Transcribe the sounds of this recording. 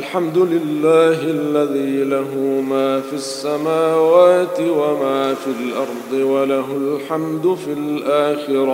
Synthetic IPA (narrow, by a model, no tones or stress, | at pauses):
alħamd̪ʊlɪlːaːɦʔalːaðiːlaɦʊmaːfiasːamaːwaːt̪ɪwamaːfilʔɑɾˤd̪ˤɨwalaɦʊlħamd̪ʊfilʔaːxɪɾɑ